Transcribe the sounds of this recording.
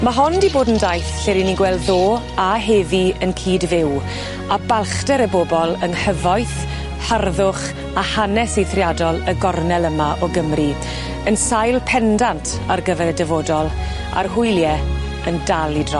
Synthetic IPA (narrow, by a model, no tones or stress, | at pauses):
maɦɔndiboːdn̩dajθːɛɾiniɡwɛlˠdðoː | aɦɛviənkʰiːdvɪw | abalˠχdɛɾəboːbɔlˠənhəvɔjθ | harðʊχ | ahanɛsejθrjadɔlˠəɡɔrnɛlˠəmaʔɔɡəmri | ənsajlˠpʰɛndantʰarɡəvɛɾədɛvɔːdɔlˠ | a̰rɦʊjljɛ | əndalˠidrɔ